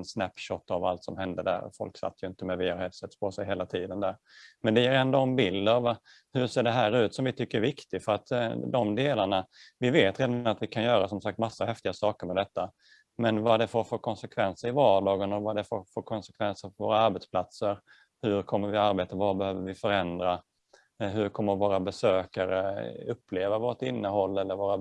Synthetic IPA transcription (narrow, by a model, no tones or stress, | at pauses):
nsnæpɕɔt̪ːavalt̪sɔmɦɛnd̪əd̪æ̰ɾ̰fɔ̰lksa̰t̪ːjɵɪnt̪əmɛvɪahɛt̪sɛt̪ːspʰɔsɛjɦeːlat̪ʰiːd̪ənd̪æɾ | mɛnd̪ɛjeːɾɛnd̪oɔmbɪld̪əav | hɵɾseːɖɛɦæːɾʉ̟ːt̪sɔmvɪt̪ʰʏkːəɾɛvɪkt̪ɪɡfœɾat̪d̪ɔmd̪eːlaɳavɪveːt̪ɾeːd̪aat̪vɪkʰanjœːɾasɔmsak̚t̪masːahɛft̪ɪɡasɑːkəɾmɛd̪ɛt̪ːa | mɛnvad̪ɛfoɾfoːɾkʰɔnsɛkʰvɛnsəɾɪvɑːɖɑːɡənɔvad̪ɛfoɾfoːɾkʰɔnsɛkʰvɛnsəɾfœɾvoːɾaaɾbɛt̪spʰlat̪səɾ | hɵɾkʰɔmːəɾvɪaɾbeːt̪avabɛhøːvəɾvɪfœɾɛnd̪ɾa | ɦɵɾkʰɔmːəɾvoːɾabɛsøːkaɾə̰ɵpʰːleːvavoːʈɪnːəɦɔlːɛlːəɾvoːɾa